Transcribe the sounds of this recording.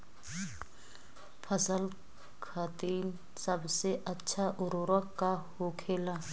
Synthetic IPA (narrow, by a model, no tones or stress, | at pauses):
pʰasal | kʰatʼen | sabʊsɪʔat͡ʃʰaʔʊɾʊɾwakʼahʊkʰɛːla